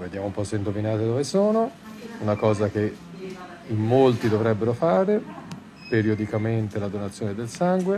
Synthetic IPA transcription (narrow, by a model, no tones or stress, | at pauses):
ved̪jaːmoumpɔseind̪ovinaːt̪ed̪ovesoːno | unakɔːzak̟e | imːolt̪id̪ovɾɛbːeɾofaːɾe | peɾiod̪ikament̪elad̪onat̪sːjoːned̪elsaŋɡwe